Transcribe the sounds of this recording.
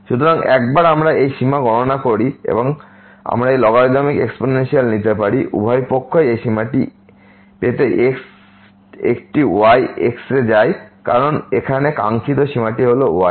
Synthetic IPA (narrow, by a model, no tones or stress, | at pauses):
ʃut̪ʰoɾaŋɛkbaɾamɾaejʃimaɡɔnonakoɾiḛboŋ | a̰mɾaejlɔɡaɾd̪amikeksponenʃialnit̪epaɾiʔṵbʱajpokʰːoeejʃimaʈi | pet̪eʔeks | ek̚ʈiuajʔeksɾed͡ʑajka̰ɾonekʰaneka̰ŋkʰit̪̬oʃimaʈiɦoloṵaj